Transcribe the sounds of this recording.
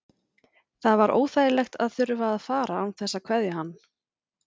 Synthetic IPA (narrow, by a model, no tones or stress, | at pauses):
θaðvaɾʔo̰ːwθajɪlɛxt̪aðθʏɾvaðafaːɾaawmθɛsːakʰvɛðjɪɦanː